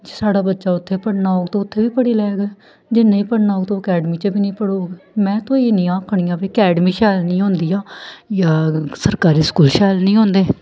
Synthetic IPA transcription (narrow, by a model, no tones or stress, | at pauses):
d͡ʒeːsaːɽaːbətːʃaːʊt̪ʰːeːpəɽnaːoːɡt̪eːʊt̪ʰːeːʋiːpəɽeːlɛːɡ | d͡ʒɪnːẽːiːpəɽnaːoːɡt̪õːkɛːɖmiːt͡ʃebiːnĩːpəɽoːɡmɛ̃ːt̪õːeːnĩːãːkʰɳiːjãːpeːkɛːɖmiːʃɛːlnĩːɦõːnd̪iːaːjaːsəɾkaːɾiːskuːlʃɛːlnĩːɦõːnd̪eː